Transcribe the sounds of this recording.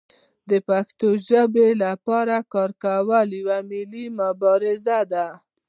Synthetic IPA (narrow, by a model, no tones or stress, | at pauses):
d̪əpakt̪oʒəbelapɑɾakɑɾkawəljwamɪlimʊbɑɾɪzad̪a